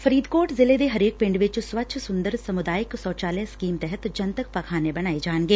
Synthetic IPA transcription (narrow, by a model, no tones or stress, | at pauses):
fɐɾiːd̪koːʈzɪled̪eɦɐɾeːk̚pɪ̃ɳɖʋɪt͡ʃsʋɐtːʃʰsʊ̃nd̪əɾsɐmʊd̪aːjɪksɔːt͡ʃaːleskiːmt̪ɛɦɛt̪d͡ʒɐnt̪ək̚pɐkʰaːnebɐñaːed͡ʒaːnɡeː